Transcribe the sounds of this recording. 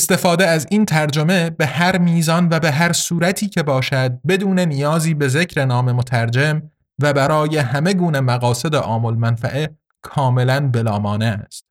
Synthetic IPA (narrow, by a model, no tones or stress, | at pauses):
est̪e̞fɒːd̪eæziːnt̪ʰæɾd͡ʒo̞me̞be̞hæɾmiːzɒnvæbe̞ɦæɾsuːɾæt̪ʰiːcʰe̞bɒːʃæd̪̚be̞d̪uːne̞nijɒːziːbe̞ze̞cʰɾe̞nɒːme̞mot̪ʰæɾd͡ʒe̞m | væbæɾɒːje̞hæme̞ɡuːnemæɣɒːse̞d̪eʔɒːmolmænfæ̰ʔe | kʰɒːme̞lænbe̞lɒːmɒːneæst̪̚